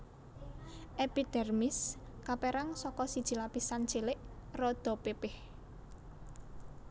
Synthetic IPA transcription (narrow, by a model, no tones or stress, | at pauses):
ʔepid̪̥ɛrmɪskapeɾaŋsɔkɔsid̥ʒ̥i̤lapisant͡ʃelɪʔrɔd̪̥ɔ̤pepɪh